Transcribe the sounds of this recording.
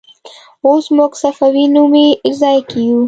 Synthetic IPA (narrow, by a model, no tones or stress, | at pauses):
osmuɡsafawinumeɪd͡ʒzɑjakiju